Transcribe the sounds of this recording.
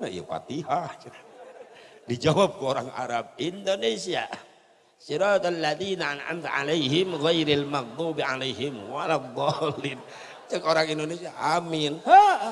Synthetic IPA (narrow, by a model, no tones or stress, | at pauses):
na̰ja̰fa̰t̪iɦat͡ʃɾa | did͡ʒawab̚kəoɾaŋa̰ɾab̚indonesia | siɾat̪alːaðinaanʔa̰mt̪ʕa̰lejɦɪmɣajɾalmaɣd̪ˤubʕalejɦɪmwalad̪ˤɑlɪn | t͡ʃəkoɾaŋindonesiaʔamɪnha